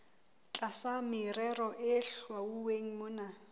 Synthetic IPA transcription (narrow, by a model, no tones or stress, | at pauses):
t͡ɬʼasamɪrɛrɔʔɪɬwauweŋ̩mʊːna